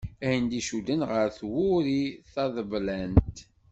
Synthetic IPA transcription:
æjənd̪iʃud̪ənʁəɾθwʊɾiθɑðəvlænt̪

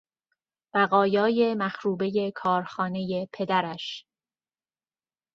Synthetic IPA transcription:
b̥æɣɒːjɒːje̞mæxɾuːbe̞je̞kʰɒːɾxɒːne̞jepʰe̞d̪æɾæʃ

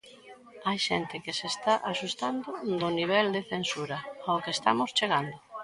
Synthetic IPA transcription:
ajʃɛnt̪ɪkɪsest̪aʔaʃust̪and̪ʊd̪ʊniβ̞ɛld̪eθensuɾɐaokest̪amʊst͡ʃeɣand̪ʊ

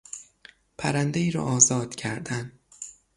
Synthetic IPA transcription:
pʰæɾænd̪eiːɾɒ̰ːʔɒːzɒːd̪̥cʰæɾd̪æn

